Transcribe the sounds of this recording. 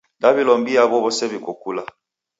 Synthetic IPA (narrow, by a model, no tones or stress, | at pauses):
dabilɔmbiabɔβɔsɛbikokula